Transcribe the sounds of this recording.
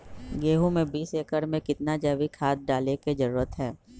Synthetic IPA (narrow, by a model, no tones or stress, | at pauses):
ɡeːɦũmẽbiːseːkəɾmẽkɪt̪nad͡ʒɛːʋikʰaːd̪̚ɖaːleked͡ʒəɾuːɾət̪ɦɛː